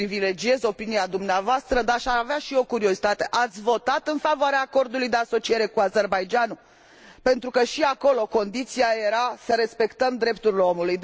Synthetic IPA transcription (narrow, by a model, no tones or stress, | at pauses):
ivile̞d͡ʒie̞zo̞piniad̪umneavoast̪ɾəd̪aʃiaaveaʃio̞kuɾio̞zit̪at̪e̞ʔat̪sʲvo̞t̪at̪ɨnfavoaɾeaːko̞rd̪ulujd̪e̞aso̞t͡ʃie̞ɾe̞kuaze̞rbajd͡ʒanu | pe̞nt̪ɾukəʃiako̞lo̞ko̞nd̪it̪siaje̞ɾasəɾe̞spe̞kt̪əmd̪ɾe̞p̚t̪uɾileo̞muluj̪